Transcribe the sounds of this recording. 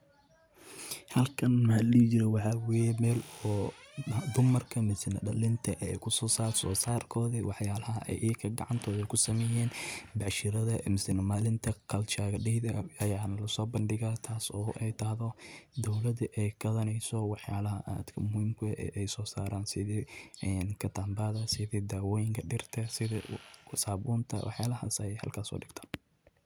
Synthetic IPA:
hɐlkʰɐnmlit͡ʃɪɾɛwɑħɑwɛjɛmɛːlɔː | d̪ʊmɐrkʰɐmɪsɪnɐ̰ɖɐlɪnt̪ʰɐʔɛjkʰʊsɔːsaːsɔːsaːrkʰɔːðɐwɑħjaːlɐɦɐ̰ʔɛ̰jʔiːkʰɐɡɑ̰ʕɑnt̪ʰɔːðɛkʰʊsɐmɛjɛːnbɑʕʃɪɾɐðɐmɪsɪnɐmaːlɪnt̪ʰɐkʰɐlt͡ʃaːɣɐɖɪhðɐɐjaːnɐlɐsɔːbɐnɖɪɣaːt̪ʰaːsɔːʔɛjt̪ʰɐhðɔd̪ɔwlɐd̪ʔɛjkɐðɐnɛjsɔwɑħjaːlɐɦɐʔa̰ːd̪kʰɐmʊhimkʰʊʔɛ̰ʔɛjsɔːsaːɾaːnsɪðɪɛnkʰɐt̪ʰaːmbaːðɐsɪðɪd̪aːwɔːjɪŋkʰɐɖɪrt̪ʰɐsɪð̰saːβuːnt̪ʰɐ̰wʔɑħjaːlɐha̰ːsɐɛjhɐ̰lkʰaːsɔ̰ːɖɪɡt̪ʰḁːn

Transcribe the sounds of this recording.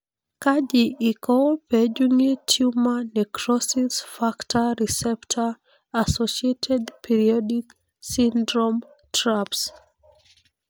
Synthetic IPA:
kad͡ʒiʔikʰɔlpɛd͡ʒuŋitʰumanɛkʰɹɔsisfaktʰəɹisɛptʰa | asɔʃietʰɛdpʰiɹiɔdik | sĩndɹɔ̃m | tʰɹaps

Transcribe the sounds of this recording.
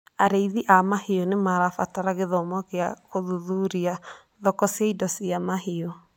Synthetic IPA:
aɾeiðiʔamaheɔnemaɾafataɾaɣeðɔmɔkeakoðuðuɾia | ðɔkɔsjaidɔsiamaɦeɔ

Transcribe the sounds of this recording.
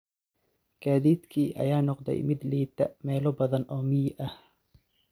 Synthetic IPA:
kaːðiːd̪kʰiːʔɐ̰jaːnɔqd̪ɛ̰jmɪd̪liːt̪ʰɐ̰mɛːlɔbɐðɐnɔːmɪjʔɐh

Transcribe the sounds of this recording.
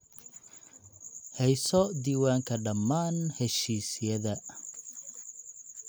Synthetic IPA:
hɛjsɔd̪iːwaːŋkʰɐɖɐmːaːnhɛʃiːsɪjɐðɐ

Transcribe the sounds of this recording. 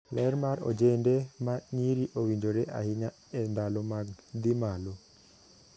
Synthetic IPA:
lɛɾmaɾo̰d͡ʒendemaɲiɾiʔowiɲd͡ʒoɾeʔa̰hɪɲa | ɛnd̪alomaɡd̪imalo

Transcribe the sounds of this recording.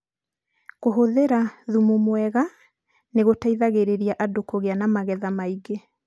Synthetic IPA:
ɣoɦoðeɾaðumumwɛɣa | neɣotaiðaɣeɾeɾiaʔadokoɣeanamaɣɛðamaiɡe

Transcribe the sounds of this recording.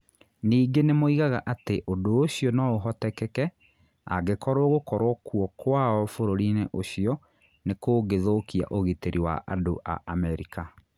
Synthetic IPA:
niːɡenemoiɣaɣaʔateʔodoːɕiɔnɔoɦɔtɛkɛkɛ | a̰ɡekɔɾoɣokɔɾwɔkwɔkwaɔfoɾoɾineʔoɕiɔ | nekoːɡeðoːkia̰ʔoɣiteɾiwa̰ʔa̰doʔa̰ʔamɛɾḭka

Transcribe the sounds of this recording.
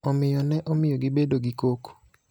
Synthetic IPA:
ɔmɪjɔnɛʔomɪjɔɡɪbedoɡikoko̥

